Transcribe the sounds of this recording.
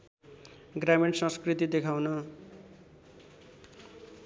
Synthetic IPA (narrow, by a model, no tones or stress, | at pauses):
ɡrameʈsʌ̃skrit̪id̪ekʰawnʌ